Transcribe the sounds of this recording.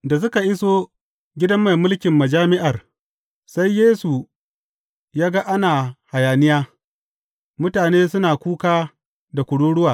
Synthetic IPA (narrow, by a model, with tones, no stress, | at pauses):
da˨s̬ʊ˦ka˨ʔɪ˦so˦ | ɡʲɪ˦dɐ˦mːa˨jmʊ˦lkʲɪ˨mːɐ˨d͡ʒaː˦mɪ˦ʔa˨r | sa˦jːeː˦su˨ | jaː˦ɡa˦ʔa˦naː˨ha˨jaː˨nɪ˦jaː˦ | mʊ˦taː˨neː˦sʊ˦naː˨kʷuː˦kaː˦ | da˨kʷʊ˨ɽuː˦ɽʊ˦waː˨